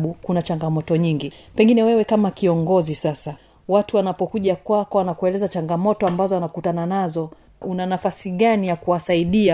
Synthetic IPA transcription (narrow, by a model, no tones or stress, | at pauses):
ɓukunat͡ʃaŋɡamɔtɔɲiŋɡipɛŋɡinɛwɛwɛkamakiɔŋɡɔzisasa | watuwanapɔkuʄakwakɔwanakuɛlɛzat͡ʃaŋɡamɔtɔambazɔanakutananazɔ | ʔunanafasiɠanijakuwasaiɗia